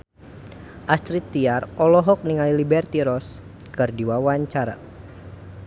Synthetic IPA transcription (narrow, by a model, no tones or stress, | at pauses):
ʔast̪ɾit̪ːiarɔlɔɦɔk̚niŋalilibɛrt̪iɾɔs | kɨrdiwawaɲt͡ʃaɾa̰